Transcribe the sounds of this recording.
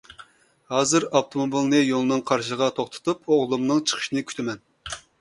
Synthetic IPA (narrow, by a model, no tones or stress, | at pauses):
hɑːzɨɾɑft̪ʰomobilˠnɨjolˠɨnɨŋqʰɑɾʃəʁɑt̪ʰoχt̪ʰɨ̥t̪ʰupoʁlˠumnɨŋt͡ʃʰə̥qʰə̥ʃinɨkʲʰy̥t̪ʰɪmɛn